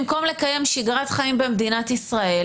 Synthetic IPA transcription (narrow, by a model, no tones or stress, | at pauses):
mko̞mle̞kaje̞mʃiɡʁat̪χaimbemd̪inat̪isʁae